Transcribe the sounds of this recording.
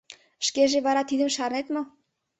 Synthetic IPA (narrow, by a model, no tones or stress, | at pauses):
ʃkeʒeβɑɾɑt̪id̪ə̆mʃɑrnet̪mo